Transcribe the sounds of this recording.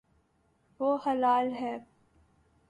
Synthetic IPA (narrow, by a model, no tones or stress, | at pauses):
ʋoːhɐlaːlɦɛː